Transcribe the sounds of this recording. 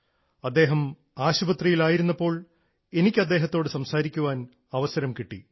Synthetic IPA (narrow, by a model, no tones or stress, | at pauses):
ɐd̪ːe̞ːɦɐm | aːɕubɐt̪rijilaːjiɾunːɐpːo̞ːɭ | e̞nikʲːɨɐd̪ːe̞ːɦɐt̪ːo̞ːɽɨsɐmsaːɾikʲːuʋaːn | ɐʋɐsɐɾɐmkiʈːḭ